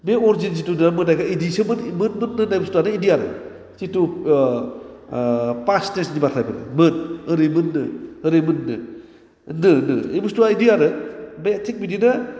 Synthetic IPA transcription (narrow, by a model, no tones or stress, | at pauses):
beɔɾd͡ʒins̬itunɯmɯnajkaidisɯmɯnmɯnmɯnːɯnajbəstuanɯidiaɾɯ̰ | situ | pastesnibatʰajbɯɾɯ̰mɯnɯɾɯmɯnːɯɯɾɯjmɯnːɯ | nɯnɯejbɯstuaidijaɾɯbetʰik̚bidinɯ